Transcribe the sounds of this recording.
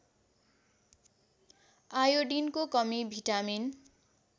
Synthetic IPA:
ajoɖinkokʌmibʱiʈamin

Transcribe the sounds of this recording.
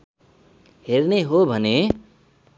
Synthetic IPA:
ɦerneɦobʱʌne

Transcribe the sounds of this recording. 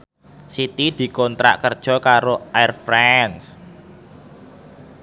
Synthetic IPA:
sit̪id̪̥i̤kɔnt̪ɾa̰ʔkərd̥ʒ̥ɔ̤kaɾoajrfɾɛns

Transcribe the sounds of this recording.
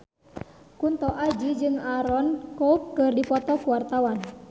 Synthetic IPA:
kunt̪ɔʔad͡ʒid͡ʒɨŋaɾɔnkɔup̚kɨrdipɔt̪ɔkuwart̪awan

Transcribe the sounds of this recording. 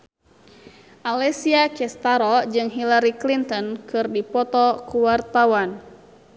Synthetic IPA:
ʔalɛsiakɛst̪aɾɔd͡ʒɨŋɦilaɾiklint̪ɔnkʰɨrdipɔt̪ɔkuwart̪awan

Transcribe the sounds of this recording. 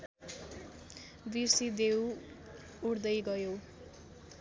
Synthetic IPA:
bisid̪ew | uɽd̪ʌjɡʌjo

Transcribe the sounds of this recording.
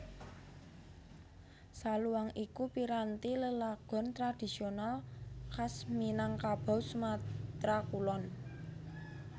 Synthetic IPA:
saluwaŋikupiɾant̪iləlaɡ̥ɔ̤nt̪ɾad̪̥i̤sionalkasminaŋkab̥a̤wsumat̪ɾakulɔn

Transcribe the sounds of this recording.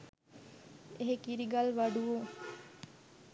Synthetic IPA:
eɦekiɾiɡalʋaɖuʋu

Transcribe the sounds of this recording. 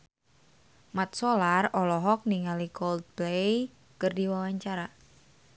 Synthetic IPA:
mat̪̚solarɔlɔɦɔk̚niŋalikɔld̪̚blej | kərdiwawaɲt͡ʃaɾa

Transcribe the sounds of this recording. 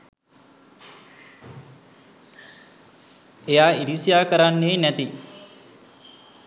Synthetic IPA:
ejaːiɾisijaːkəɾanːeːnæt̪i

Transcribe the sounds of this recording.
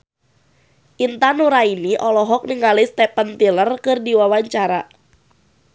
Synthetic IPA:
ʔint̪anuɾainiʔɔlɔɦɔk̚niŋalɪst̪ɛpənt̪ilərkɨrdiwawaɲt͡ʃaɾa

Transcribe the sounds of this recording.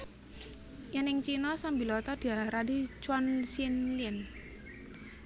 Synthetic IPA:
janɪŋt͡ʃinɔsambilɔt̪ɔd̥i̤aɾadit͡ʃwansinlɪn

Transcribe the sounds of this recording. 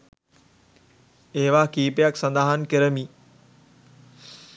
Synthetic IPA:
eɦʋaːkiːpejaksɐ̃nd̪aːɦankɪɾəmiː

